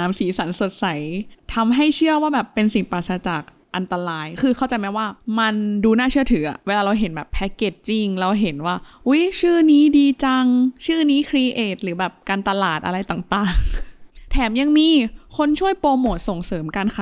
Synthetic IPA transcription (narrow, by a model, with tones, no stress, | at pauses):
aː˩˦msiː˩˦sa˩˦nso˨˩t̪̚sa˨˩˦jt̪ʰa˧mɦa˥˩jt͡ɕʰɯ˥˩əwaː˥˩bɛː˨˩pːe˧nsi˨˩ŋpaː˨˩t̪sa˧t͡ɕaː˨˩k̚ | ʔa˧nt̪a˧ɾaː˧jkʰɯː˧xʰa˥˩wt͡ɕa˧jma˦˥jwaː˥˩ma˧nduː˧naː˥˩t͡ɕʰɯ˥˩ɐt̪ʰɯː˩˦ʔa̰˨˩weː˧laː˧ɾa˧wɦe˩˦nbɛː˨˩pʰːɛ˦˥keː˨˩t̚t͡ɕi˧ŋɾa˧wɦe˩˦nwaː˥˩ | ʔu˦˥jt͡ɕʰɯː˥˩niː˦˥diː˧t͡ɕa˧ŋt͡ɕʰɯː˥˩niː˦˥kʰɾi˧ʔeː˨˩t̪̚ɾɯː˩˦bɛː˨˩p̚kaː˧nt̪a˧laː˨˩t̪̚ʔa̰˧ɾa˧jt̪aː˨˩ŋt̪aː˨˩ŋt̪ʰɛː˩˦mja˧ŋmiː˧kʰo˧nt͡ɕʰu˥˩əjpoː˧moː˨˩t̪̚so˨˩ŋsɤː˩˦mkaː˧nkʰa˧˦